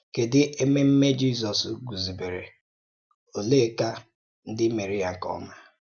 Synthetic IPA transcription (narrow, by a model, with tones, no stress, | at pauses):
ke˨dɪ˦e˦me˦m̩˦me˦d͡ʒi˦˨s̬ɔ˨sɡu˨zi˨be˨ɾḛ˨ | o˨le˦˨ka˦ | n̩˦dɪ˦me˨ɾi˦a˨ŋ̩˨kɔ̰˦ma˦